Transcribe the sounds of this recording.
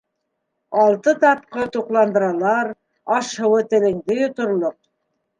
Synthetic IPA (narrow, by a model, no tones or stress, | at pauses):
ɑlˠt̪ɤt̪ɑp̚qɤt̪uqlˠɑnd̪ɤ̆ɾɑlˠɑɾ | ɑʃhɤ̆wɤt̪ɘ̆lɘ̆ŋd̪ɘjŏt̪ŏɾlˠoq̚